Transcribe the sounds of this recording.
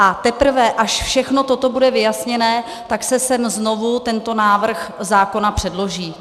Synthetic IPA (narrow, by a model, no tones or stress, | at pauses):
ʔat̪ɛpr̩vɛʔaʃfʃɛxno̞t̪o̞t̪o̞budɛvɪjasɲɛnɛː | t̪aksɛsɛmzno̞vut̪ɛnt̪o̞naːvr̩xzaːko̞napr̥ɛdlo̞ʒiː